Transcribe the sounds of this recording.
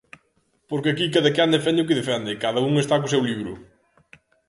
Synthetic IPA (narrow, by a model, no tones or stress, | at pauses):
poɾkɪɐkikɐðɐkand̪efɛnd̪ɪʊk̬ɪðefɛnd̪ekaðɐuŋest̪akus̬ewliβɾʊ̰